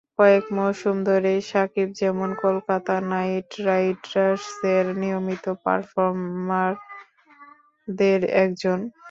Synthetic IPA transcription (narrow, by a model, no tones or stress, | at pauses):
kɔekmoʃumd̪ʱoɾeʃakib̚d͡ʑɛmonkolkat̪anajʈɾajʈɾaɾʃd̪eɾnijomit̪opa̰ɾfoɾmaɾ | d̪eɾɛ̰kd͡ʑon